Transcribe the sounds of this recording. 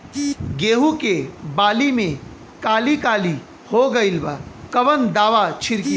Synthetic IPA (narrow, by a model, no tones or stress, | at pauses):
ɡeːɦukebaːlimẽ | kaːlikaːli | hoɡɐɪlbakɐʋənd̪aːʋat͡ʃʰɪɾki